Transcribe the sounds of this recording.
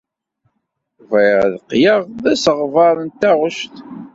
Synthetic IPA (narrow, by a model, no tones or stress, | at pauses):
veʁðqːjəʁðæsəʁvɑɾˤənt̪æʁʊʃt̪